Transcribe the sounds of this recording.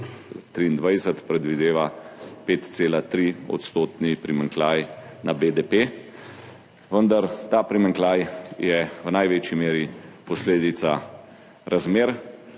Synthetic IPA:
t̪ɾiːnd̪ʋajsət̪pɾɛd̪ʋid̪eːʋapeːt̪t̪seːlat̪ɾiɔ̰t̪st̪oːt̪nipɾimaŋklajnabed̪epe | ʋənd̪aɾt̪aːpɾimaŋklaːjjɛwnajʋet͡ʃjimeːɾipɔsleːd̪it̪sa | ɾazmeːɾ

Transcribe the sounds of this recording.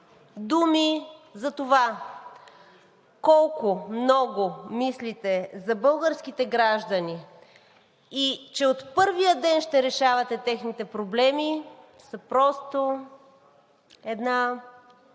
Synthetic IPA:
d̪umizɐt̪ova | kɔlˠkʊmnɔɡʊmislit̪ɛzɐbɤlˠɡəɾsk̟it̪ɛɡɾaʒd̪ɐni | it͡ʃɛot̪pɤɾvijəd̪ɛnʃt̪ɛɾɛʃavɐt̪ɛt̪ɛxnit̪ɛpɾoblɛmi | sɐpɾɔst̪o | ɛd̪na

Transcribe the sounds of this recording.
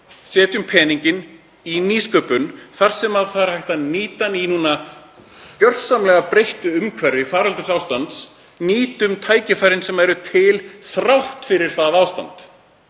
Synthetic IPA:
sɛːt̪ʏmpʰɛːniɲcɪn | iniːskœːpʏnθaɾ̥sɛmaðθaɾhajht̪aniːt̪aninuːna | cœr̥samlɛɣapɾejht̪ʏʏmkʰvɛɾðɪfaːɾalt̪ʏsawst̪ant̪s | niːt̪ʏmt̪ʰaːjcɪfajɾɪnsɛmaɛɾʏt̪ʰɪlθɾawht̪fɪɾɪɾ̥θaðaːwst̪a̰nt̪

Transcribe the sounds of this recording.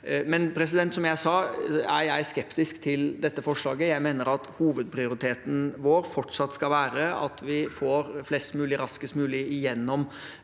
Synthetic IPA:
mɛnpʰɾɛsɪd̪ɛnt̪sɔmjæɪsɑːæjæɪskɛpt̪ɪskt̪ʰɪld̪ɛt̪ːəfɔʂlɑːɡəjæɪmeːnəɾɑt̪huːʋəd̪̚pʰɾɪʊɾɪt̪ʰeːt̪nʋoːɾfɔʈʂɑt̪ːskɑʋæːɾəɑ̰t̪ʋɪfoːɾflɛst̪mʉːlɪɾɑskəst̪mʉːlɪɪjɛnːɔm

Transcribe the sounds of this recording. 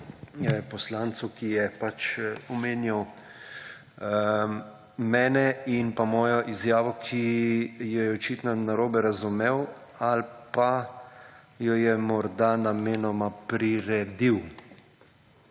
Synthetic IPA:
pɔslaːnt̪sukijɛpat͡ʃɔmeːnjaw | mɛːnɛinpamɔːjɔʔizjaːʋɔkʰijɔjɛɔt͡ʃit̪nɔnaɾoːbɛɾazumeːw | alpa | jɔjɛmɔɾd̪anameːnɔmapɾiɾɛd̪iw

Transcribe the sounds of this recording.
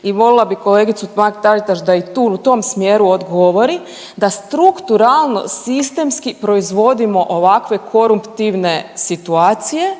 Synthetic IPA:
iʋo̞lilˠabiko̞leːɡit̪sut̪makt̪aʒit̪aʃd̪ait̪uːut̪o̞msmjeɾuod̪ɡoʋo̞ɾi | d̪ast̪ɾukt̪uɾalˠno̞̰sist̪e̞mskipɾo̞izʋo̞d̪imo̞ʔoʋakʋe̞kʰo̞ɾumpt̪iʋne̞sit̪uaːt̪sije̞

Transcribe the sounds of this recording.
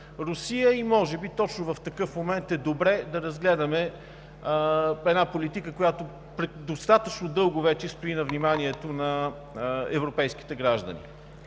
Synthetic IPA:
ɾʊsijəimɔʒɛbit̪ɔt͡ʃnʊvɐft̪ɐkɤfmomɛnt̪ɛd̪obɾɛd̪ɐɾɐzɡlɛd̪ɐmɛ | ɛd̪napolit̪ikəkojat̪o | pɾɛd̪ost̪at̪ət͡ʃnʊd̪ɤlˠɡʊvɛt͡ʃɛst̪oinɐvnimaniɛt̪onɐ | ɛ̰vɾopɛjsk̟i̥t̪ɛɡɾaʒd̪ə̰nḭ

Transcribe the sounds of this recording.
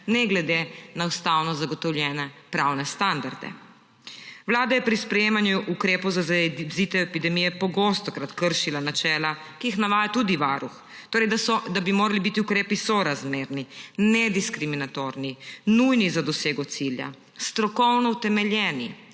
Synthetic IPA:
nɛɡlɛd̪enawst̪awnɔzaɡɔt̪ɔwljɛːnɛpɾawnɛst̪and̪aɾd̪ɛ̰ | ʋlaːd̪ajɛpɾispɾɛjeːmanjuʔukɾeːpɔwzazit̪ɛɛpid̪ɛmijɛpɔɡost̪ɔkɾat̪kəɾʃilanat͡ʃɛːla | kijixnaʋaːjat̪ud̪iʋaːɾux | t̪oːɾɛjd̪aɔd̪abimoːɾalibit̪iukɾeːpisɔɾazmeːɾninɛd̪iskɾiminat̪oɾninujnizad̪ɔseːɡɔt̪silja̰ | st̪ɾɔkɔwnɔwt̪ɛmɛlʲjɛːni

